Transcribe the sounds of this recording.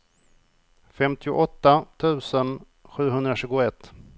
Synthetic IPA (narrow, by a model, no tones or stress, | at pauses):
fɛmt̪ʰɪʊ̰ʔɔt̪ːat̪ʰʉ̟ːsən | ɧʉ̟ːɦɵnd̪ɾaɕʉ̟ːɡʊɛt̪ː